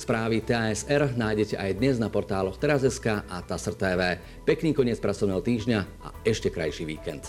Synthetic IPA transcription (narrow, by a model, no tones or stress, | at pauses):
spɾaːʋit̪ɛɛsɛɾnaːjɟɛcɛʔajd̪ɲɛznapɔɾt̪aːlɔxt̪ɛɾazɛskaːʔat̪asrt̪ɛːʋɛː | pɛkniːkɔɲɪɛt͡spɾat͡sɔʋnɛːɦɔt̪iːʒɲa | a̰ɛʃcɛkɾa̰jʃiːʋḭːkɛ̰nt̪